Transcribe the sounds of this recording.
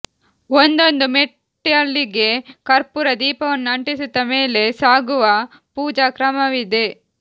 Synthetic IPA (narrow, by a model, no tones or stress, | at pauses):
ond̪o̞nd̪umeʈːɐɭːiɡe̞kɐɾpuɾɐd̪iːpɐʋɐnːuɐɳʈisut̪ːɐmeːle̞saːɡuʋɐ | puːd͡ʒaːkɾɐmɐʋid̪e̞